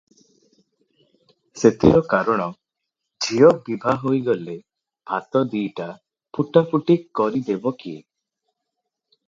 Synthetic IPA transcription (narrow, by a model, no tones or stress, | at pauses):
set̪ʰḭɾɔkaɾɔɽ̃ɔ | d͡ʒʱijɔbibʱaɦojɡɔle | bʱat̪ɔd̪iʈa | puʈapuʈikkːɔɾid̪ebɔkiḛ